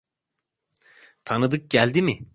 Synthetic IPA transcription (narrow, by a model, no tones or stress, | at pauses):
t̪ʰanɯd̪ɯk̚ɟælʲd̪imɪ